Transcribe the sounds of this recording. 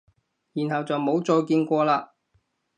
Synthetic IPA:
jiː˨˩nhɐ˨wt͡sɐ˨wmo˨˥wt͡sɔː˧jkiː˧nkʷɔː˧laː˧

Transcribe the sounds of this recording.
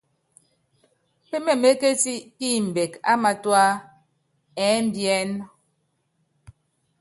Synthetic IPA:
pe˦mɛ˨me˦ke˦ti˦ti˦˨m̩˨be˨ka˦ma˨twa˦ | ɛ˨˦m̩˦bjɛ˦n

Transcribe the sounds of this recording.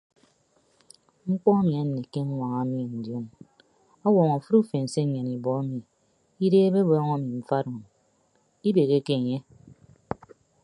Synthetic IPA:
ŋ͡m̩˦k͡pɔ˦a˦mi˨a˨˦n˨ne˨ke˦ŋ̩˦ŋʷa˨ŋa˨˦mi˦e˨n̩˨djo˦n | a˦wɔ˨ŋa˨fu˦ɾu˦fe˨n̩˨se˦ɲe˨ni˨bɔ˨˦a˦mi˨ | i˦deː˦be˦bɔ˦ŋa˦mi˨m̩˦fa˦ɾo˨n | i˦be˨ɣe˦ke˦˨ɲe˦

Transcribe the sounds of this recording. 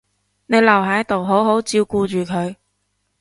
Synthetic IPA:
ne˨˧jlɐ˨wɦɐ˨˥jɐ˥t̪o˨wɦo˨˥wɦo˨˥wt͡siː˧wkuː˧t͡ʃyː˨kʰɵ˨˧ɥ

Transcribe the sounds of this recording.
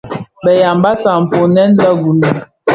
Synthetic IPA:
bɛ˨ja˨mba˦sa˨m̩˨po˨nɛ˦n˦lə˦ɡu˨ni˨

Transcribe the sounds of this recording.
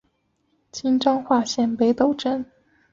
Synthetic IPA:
t͡ɕʰi˥nʈ͡ʂɑ˥ŋxwa˥˧ɕjɛ˥˩npe˧˥ɪt̪o˨˩ʊʈ͡ʂə˥n

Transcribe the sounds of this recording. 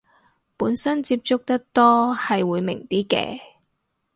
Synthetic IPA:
puː˨˥nsɐ˥nt͡si˧p̚t͡sʊ˥k̚t̪ɐ˥k̚t̪ɔː˥hɐ˨jwuː˨˧jmɪ̰˨˩ŋt̪iː˥kɛ̰ː˧

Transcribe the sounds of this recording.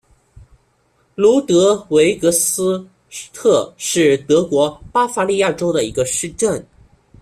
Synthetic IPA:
lu˧˥t̪ɤ˧˥we˧˥ɪkɤ˧˥sɹ̩˥ | t̪ʰɤ˥˧ʂɻ̩˥˩t̪ɤ˧˥kwɔ˧˥pa˥fa˧˥li˥˧ja˥˩ʈ͡ʂo˥ʊd̪ə˨i˧˥ɡə˧ʂɻ̩˥˧ʈ͡ʂə˥˩n

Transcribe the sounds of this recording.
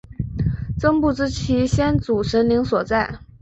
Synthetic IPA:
t͡sɤ˥ŋpu˥˩ʈ͡ʂɻ̩˥t͡ɕʰi˧˥ɕjɛ˥nt͡su˨˩ʂə˧˥nli˧˥ŋswɔ˨˩t͡sa˥˩ɪ

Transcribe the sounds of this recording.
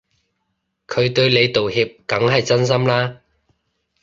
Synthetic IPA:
kʰɵ˨˧ɥt̪ɵ˧ɥle˨˧jt̪o˨whiː˧p̚kɐ˨˧˥ŋɦɐ˨jt͡sɐ˥ns̬ɐ˥mlaː˥

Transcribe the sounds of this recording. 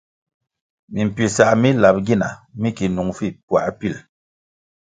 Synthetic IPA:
mi˨m̩˨pɥi˨sa˨ʔmi˦la˨p̚ɡi˦˨na˨mi˦ki˨nu˨ŋfi˦˨pwa̰˨ʔpi˦˨l

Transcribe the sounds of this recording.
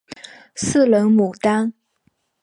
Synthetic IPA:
sɹ̩˥˩lə˧˥nmu˨˩t̪a˥n

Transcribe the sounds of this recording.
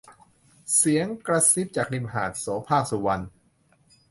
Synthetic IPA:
si˩˦əŋkɾa˧si˦˥p̚t͡ɕaː˨˩k̚li˧mɦaː˨˩t̪̚soː˩˦pʰaː˥˩k̚su˨˩wa˧n

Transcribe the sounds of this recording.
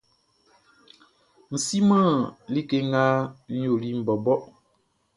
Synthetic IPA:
n̩˨si˦maː˦˨li˦ke˦ŋa˦n̩˦jo˨li˦m̩˨bɔ˨bɔ˦ʔ

